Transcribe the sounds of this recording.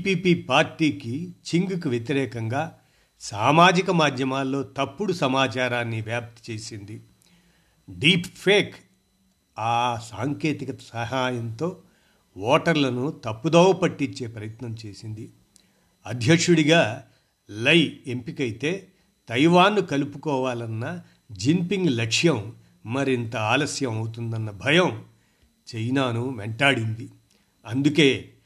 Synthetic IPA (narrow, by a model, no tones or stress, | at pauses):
piːpiːpaːɾʈiːkit͡ʃiŋɡuk̬uʋjet̪iɾɛːkɐŋɡaː | saːmaːd͡ʒikɐmaːd̪ʱjɐmaːlːo̞ːt̪ɐpːuɽusɐmaːt͡ʃaːɾaːnːiʋjaːp̚t̪t͡ʃe̞ːsind̪i | ɖiːppʰeːk | aːsaːŋke̞ːt̪ikɐsɐɦaːjɐnt̪o̞ː | ʋɔːʈɐɾlɐnut̪ɐpːud̪ɔːwɐpɐʈːiɲt͡ʃːe̞ːpɾɐjɐt̪nɐmt͡ʃe̞ːsind̪i | ɐd̪ʱjɐkʂuɽiɡaː | lɐjempikɐjit̪e̞ː | t̪ɐjʋaːnːukɐlupukɔːʋaːlɐnːɐ | d͡ʒimpiŋɡlɐkʂjɐmː | ɐɾint̪ɐaːlɐsjɐmɐwut̪und̪ɐnːɐbʱɐjɐm | t͡ʃejnaːnuʋɛɳʈaːɽind̪i | ɐnd̪uke̞ː